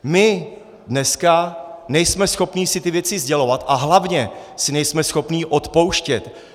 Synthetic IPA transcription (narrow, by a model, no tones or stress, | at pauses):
mɪ | dnɛskanɛjsmɛsxo̞pniːsɪt̪ɪvjɛt͡sɪzɟɛlo̞vat̪ʔaɦlavɲɛsɪnɛjsmɛsxo̞pniːʔo̞t̪powʃcɛt̪